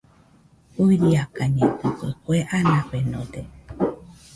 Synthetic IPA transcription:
uɾiakaɲẽʔɨ̃kʷekʷeʔanãpenõd̪e

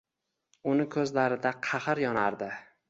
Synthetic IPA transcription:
ʊnɪkʰɵzlaɾɪd̪aqʰɑχɨɾjɒnaɾd̪ɪ

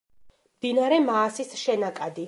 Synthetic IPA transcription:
md̪inaɾɛmaːsisʃɛnakʼad̪i

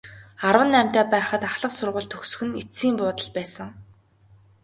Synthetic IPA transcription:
arwə̆nːæm̥ʲt̪æːpæːχə̆t̪aχɮə̆qsʊrʁə̆ɮt̪ʰɵxsɵ̥̆xɵ̆nit͡siːmpʊːt̪ə̆ɮpæːsə̆ŋ

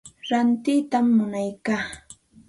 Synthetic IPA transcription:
ɾant̪ɪt̪amːʊnajkaː

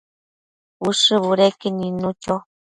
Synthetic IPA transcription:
uʂɨβuɾekeninut͡ʃo

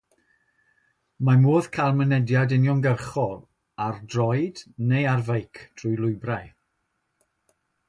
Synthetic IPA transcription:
mamoːðkʰalˠmənɛdjadɪnjɔnɡərχɔl | ardrɔjdnejarvejkʰtʰrʊjlˠʊjbraj

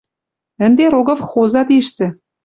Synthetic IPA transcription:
ə̆nd̪eɾoɣɤ̆fxozɑt̪iʃt̪ɘ̆

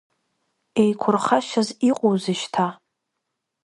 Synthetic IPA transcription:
ejkʷʰʊrχaʃaziqʷʼowzɨʃtʰa

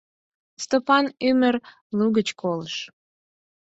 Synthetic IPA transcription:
st̪opɑnymər | luɣət͡ɕkoləʃ

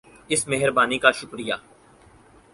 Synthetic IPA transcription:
ɪsmeɦəɾbaːnikaʃʊkɾijaː

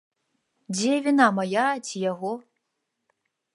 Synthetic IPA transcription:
devʲinamajatʰijaɣo

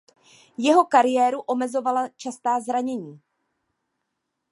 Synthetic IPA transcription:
jɛɦo̞kaɾɪjɛːɾuʔo̞mɛzo̞valat͡ʃast̪aːzɾaɲɛɲiː

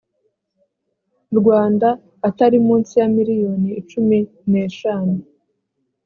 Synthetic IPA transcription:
ɾɡwaːndaː | taɾimuːnsijamiɾijo̞niːt͡ʃumi | ne̞ːʃaːnu

